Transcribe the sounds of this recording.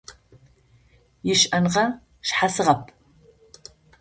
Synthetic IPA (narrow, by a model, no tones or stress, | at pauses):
jɪʃɐnʁɐ | ʃħasɨʁɐpʰ